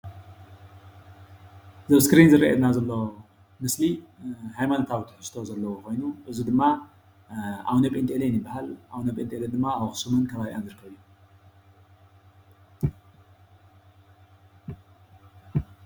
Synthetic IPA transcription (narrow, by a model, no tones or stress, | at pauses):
zɐβskɾinzɨɾɐʔḛd̪nazɐlːo̞ | mɨslihajmanot̪ʰawit̪ʰɐ̥hɨst̪ʰo̞zɐlːɐwokʰo̞jnuʔɨzud̪ɨmːa | ʔa̰wnɐpʼint̪ʼelenɨbːahalʔaβnɐpʼent̪ʼeled̪ɨmːaaβxɨ̥sumɨnkʰɐβaβiʔanzɨɾɨkʰːɐβijːu